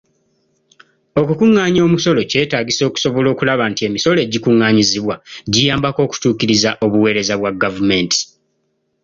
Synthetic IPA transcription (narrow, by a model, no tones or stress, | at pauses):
o̞kukuŋːaːɲo̞ːmuso̞lo̞ce̞ːtaːɟiso̞ku̥so̞βo̞lo̞ːkulaβaːntie̞miso̞le̞ːɟikuŋːaːɲiziβwaɟijaːmbako̞ːku̥tuːkiɾizaʔo̞βuwe̞ːɾe̞zaβwaɡavume̞nti̥